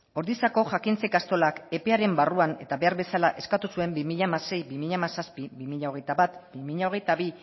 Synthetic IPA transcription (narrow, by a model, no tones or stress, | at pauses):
o̞ɾðisako̞ʝakint͡se̞kast̪o̞lake̞pe̞aɾe̞mbaruane̞̰t̪aβe̞aɾβe̞salaʔe̞skat̪usue̞mbimiʎamase̞jbimiʎamasaspiβimiʎao̞ɣ̞e̞jt̪aβat̪bimiʎao̞ɣ̞e̞jt̪aβi